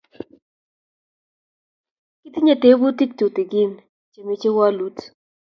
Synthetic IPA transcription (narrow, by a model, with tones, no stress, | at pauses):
ki˦t̪i˦ɲa˨te˦bu˦ti˦k̚to˨t̪i˨ɡɪ˦n | t͡ʃe˨me˨˦t͡ʃe˦wa˦lu˦t